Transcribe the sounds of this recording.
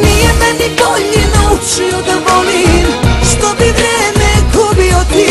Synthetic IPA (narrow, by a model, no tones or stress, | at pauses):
nijɛmɛnikɔnɛnaut͡ʃiɔd̪amɔlimʃt̪ɔbivɾɛmɛɡɔbiɔt̪i